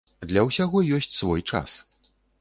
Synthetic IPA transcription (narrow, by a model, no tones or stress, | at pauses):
d̪lʲɐwsʲaɣɔjɔsʲt͡sʲsvɔjt͡ʂa̰s